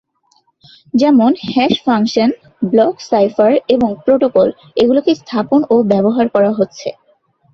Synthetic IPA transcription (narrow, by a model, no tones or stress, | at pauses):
d͡ʑɛmonhɛʃfʰaŋkʃon | blɔksajfaɾeboŋpɾoʈokol | eɡulokest̪ʰaponobɛboɦaɾkɔɾaɦotːɕʰḛ